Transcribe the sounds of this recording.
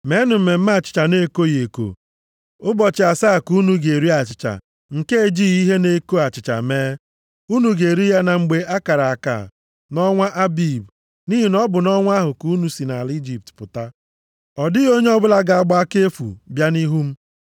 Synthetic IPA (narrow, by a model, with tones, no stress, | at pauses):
me˦nʊ˨m̩˨me˨m̩˦ma˦˨t͡ʃɪ̥˨t͡ʃa˨ne˦ko˦je˨ko̰˨ | ʊ˦bɔ˨t͡ʃɪ˨a˨sa˦˨ku˦nu˦ɡe˨ɾi˦a˨t͡ʃɪ̥˨t͡ʃa̰˨ | ŋ̩˨ke˦e˨d͡ʒi˦i˦ɦe˦ne˦ko˦a˨t͡ʃɪ˨t͡ʃa̰˨meː˦ | u˦nu˨ɡe˨ɾi˦ja˦na˨ŋ͡m̩˨ɡ͡be˦a˦ka˨ɾa˨a˨ka̰˨ | nɔ˦ŋʷa˦ʔa˦bi˨b | ni˦ɦi˨nɔ˦bʊ˨nɔ˦ŋʷa˦ɦʊ˨ku˦nu˨si˨na˨li˦d͡ʒi˨p̚tpʊ̰˨ta˦ | ɔ˨dɪ˦o˦ɲe˦ɔ˦bʊ˦la˦ɡa˨a˨ɡ͡ba˦a˦ke˦fṵ˨bja˦ni˦ɦu˦m̩˦